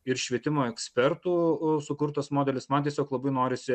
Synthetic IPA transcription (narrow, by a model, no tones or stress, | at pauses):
ɪɾʃʲʋʲiɛt̪ʲɪmoːɛksʲpʲɛrt̪uːsʊkʊɾt̪ɐsmoːd̪ʲɛlʲɪsmɐnt̪ʲiɛsʲoːklˠɐbɐɪnoːɾʲɪsʲɪ